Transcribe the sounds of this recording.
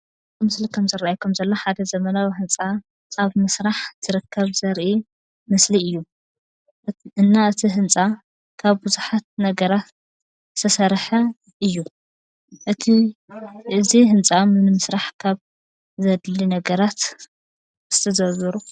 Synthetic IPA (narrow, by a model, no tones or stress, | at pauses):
mɨslikʰɐmzɨraajkʰomzɐlːoħad̪ɐzɐmɐnawihɨnt͡sʼa | aβmɨsɾaħt̪ʰɨɾɨkʰːɐβzɐɾʔi | mɨsliɨjːu | ɨnːaʔɨt̪ʰiɦɨnt͡sʼa | kʰaβbɨzuħat̪̚nɐɡɐɾat̪ | ɨ̥t̪ʰɐsɐɾħɐ | ʔɨjːu | ʔɨt̪ʰi | ɨziɦɨnt͡sʼamɨnmɨsɾaħkʰaβ | zɐd̪linɐɡɐɾat̪ | ɨ̥st̪ʰɐzɐβɨɾu